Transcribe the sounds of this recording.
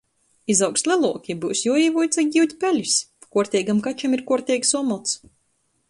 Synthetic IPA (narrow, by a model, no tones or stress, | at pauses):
izawkst̪lʲˠɛlˠuɔkʲibuːwsjuɔiːvujt̪saɡʲiwt̪ʲpʲɛlʲispakuɔɾt̪ʲɛːjɡamkat͡ʃamiɾkuɔɾt̪ʲɛjksɔɔmɔt̪s